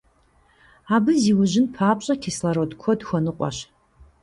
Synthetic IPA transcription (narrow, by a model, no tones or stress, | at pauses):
aːbɨziːwʊʒɪnpʰaːpɕʼɐkʰʲislɐɾodkʷʰɔdxʷɔnɨqʷʼɔ̰ɕ